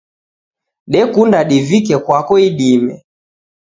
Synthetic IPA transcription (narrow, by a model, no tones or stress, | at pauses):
ɗɛkundaɗivikɛkwakɔiɗimɛ